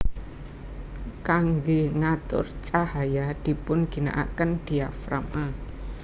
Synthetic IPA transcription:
kaŋɡeŋat̪ʊ̰rt͡ʃahajad̪̥i̤pʊnɡ̥i̤na̰ʔa̰kənd̪̥iafɾa̰ma

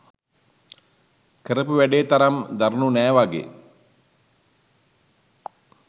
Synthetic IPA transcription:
kəɾəpuʋæɖeːt̪aɾamd̪aɾnunæːʋaɡḛː

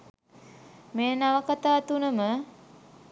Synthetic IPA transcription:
meːnaʋəkat̪aːt̪unəmə

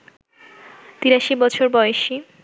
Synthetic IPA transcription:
t̪iɾaʃibɔt͡ɕʰoɾbɔjeʃi

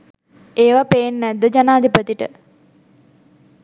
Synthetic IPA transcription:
eːʋapeːnːɛd̪ːəd͡ʒanaːd̪ipət̪iʈə̰

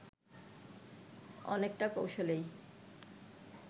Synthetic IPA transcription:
ɔ̰nekʈakowʃolej

